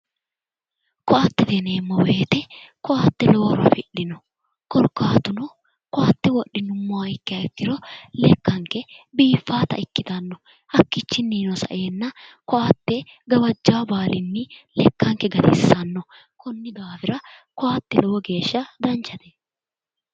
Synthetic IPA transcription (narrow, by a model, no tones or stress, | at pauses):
kɔʔat̪ːɛd̪ɛneːmːɔweːt̪ɛkɔʔaːt̪ːɛlɔwɔɾɐ̰fɪɗːɪnɔ | kɔlkːaːt̪ʊnɔ | kɔʔaːt̪ːɛwɔɗːɪnʊmːʊaɪkːɪɐɪkːɪɾɔlɛkːɐŋkːɛbiːfːaːt̪ɐ̰ɪkːɪt̪ɐnːɔ | ʔɐkːɪt͡ʃːɪnːiːnɔsɐ̰ʔe̞ːnːɐkɔʔaːt̪ːɛɡɐwɐd͡ʒːaːbaːlɪnːɪlɛkːɐŋkɛɡɐt̪ɪ̰sːɐnːɔ | kʊnːɪd̪aːfɪɾɐkɔʔaːt̪ːɛlɔwɔɡe̞ːʃːɐd̪ɐnt͡ʃːɐt̪ɛ